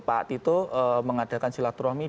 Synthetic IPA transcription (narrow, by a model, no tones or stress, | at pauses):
paʔt̪it̪oəməŋad̥a̤kansilat̪uɾɔhmi